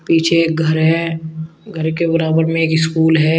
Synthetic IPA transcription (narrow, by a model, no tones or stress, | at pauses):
piːt͡ʃʰeːkɡʱɐɾɦɛ | ɡʱəɾkebɐɾaːbəɾmẽeːkɪskuːlɦɛ